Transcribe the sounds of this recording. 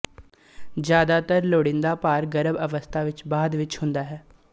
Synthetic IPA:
d͡ʒjaːd̪aːt̪əɾloːɽɪ̃nd̪aːpaːɾɡəɾəbəʋəst̪ʰaːʋɪt͡ʃbaːd̪ʋɪt͡ʃhʊ̃nd̪aːɦɛː

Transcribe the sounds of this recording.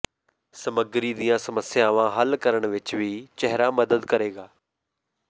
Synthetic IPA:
sɐməɡɾid̪iːjãsɐməsjaːʋãɦəlkəɾəɽ̃ʋɪt͡ʃʋiːt͡ɕɛɦɪɾamɐd̪əd̪kɐɾeːɡaː

